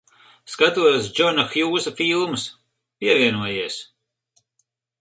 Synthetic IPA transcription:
skat̪uɔsd͡ʒɔnɐxjuːzɐfiːlˠmɨs | piɛviɛnuɔjeɛs

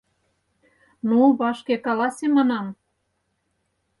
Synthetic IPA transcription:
nuβɑʃkekɑlɑsʲemɑnɑm

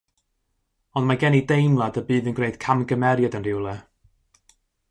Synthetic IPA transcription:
ɔndmaɡɛnidejmlˠadəbɨːðənɡreɨd̥kʰamɡəmɛɾjadənrɪwlˠɛ

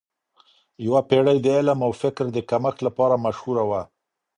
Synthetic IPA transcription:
jawapeɽəjd̪əɪlamawfɪkɾd̪əkaməxlapɑɾamaʃhuɾawa

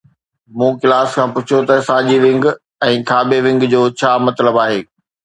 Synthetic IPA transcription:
mũːkɪlaːskʰãːpʊt͡ɕʰot̪ɐsãːd͡ʑiʋɪ̃ŋɡ | ɛ̃ːkʰaːbeʋɪ̃ŋɡd͡ʑoːt͡ɕʰaːmɐt̪ləbaːɦeː

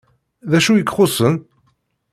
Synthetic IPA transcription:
ðæʃujəkːχʊsən

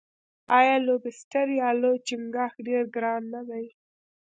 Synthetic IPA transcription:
ɑjɑlobɪstaɾjɑlot͡ʃɪmɡɑxɖeɾɡɾɑnːad̪aj

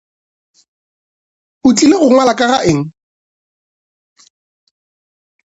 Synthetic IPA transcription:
ʊt͡ɬʼileɣʊŋwalakʼaɣaʔɪŋ̩

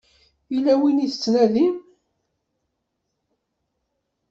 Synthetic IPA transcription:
ilæwiniθə̥t͡sːnæðim

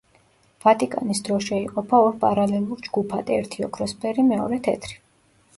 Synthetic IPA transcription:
v̥at̪ʼikʼa̰nisd̪ɾɔʃɛiqʼɔpʰaɔɾpʼaɾalɛlˠuɾd͡ʒɡupʰad̪ʼɛɛɾt̪ʰiɔ̰kʰɾɔspʰɛɾimɛɔ̰ɾɛt̪ʰɛ̰t̪ʰɾi̥

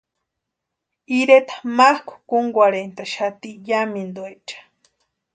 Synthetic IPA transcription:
iɾet̪ḁmahkʷu̥kuŋɡʷaɾent̪aʃat̪ijamind̪wet͡ʃḁ

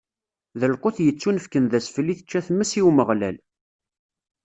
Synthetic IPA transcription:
ðəlqoθjət͡sːunəfkənðæsfəlːiθə̥t͡ʃːæθmːəsiwməʁlæ̰l

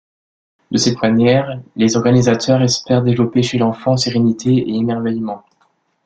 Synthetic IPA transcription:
d̪əsɛt̪manjɛʁlezɔʁɡanizat̪ʰœʁɛspɛʁd̪evlɔpeʃelɑ̃fɑ̃seʁenit̪ʰeḛemɛʁvɛjmɑ̃

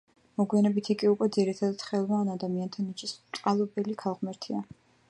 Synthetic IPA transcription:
mɔɡwianɛbit̪ʰikʼiukʼwɛd̪ziɾit̪ʰad̪at̪χɛlˠmaːnad̪amiant̪ʰanɛt͡ʃʰʼist̪sʼqʼalˠɔbɛlikʰalˠʁmɛɾt̪ʰia

